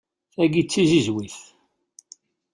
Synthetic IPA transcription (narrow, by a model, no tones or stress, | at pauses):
θæɡit͡sːizizwiθ